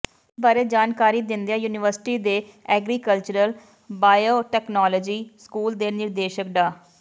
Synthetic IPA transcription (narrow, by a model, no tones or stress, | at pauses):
baːɾeːd͡ʒaːnkaːɾiːd̪ɪnd̪eaːjuːnɪʋəɾsɪ̥ʈiːd̪eːɛːɡɾiːkəlt͡ʃəɾəl | baːjoːʈɛːknaːlɔːd͡ʒiːskuːld̪eːnɪɾd̪eːʃək̚d̪aː